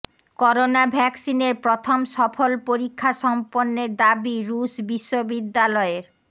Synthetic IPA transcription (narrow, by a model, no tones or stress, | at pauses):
kɔɾonabʱɛksineɾpɾot̪ʰomʃɔfolpoɾikʰːaʃɔmponːeɾd̪abiɾuʃbiʃːobid̪ːalɔeɾ